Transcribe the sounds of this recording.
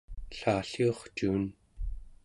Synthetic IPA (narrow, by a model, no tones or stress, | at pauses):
ɬaːɬioχt͡ʃuːn